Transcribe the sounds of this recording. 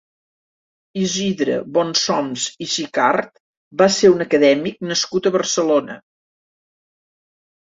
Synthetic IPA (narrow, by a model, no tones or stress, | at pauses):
iziðɾə̰βɔnsɔmziʃikart̪ | baseunəkəðɛmik̚nəskut̪əβərsəlonə̰